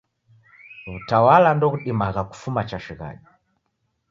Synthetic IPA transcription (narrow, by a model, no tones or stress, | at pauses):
βutawalandɔɣuɗimaɣaku̥fumat͡ʃaʃiɣa̰ʄi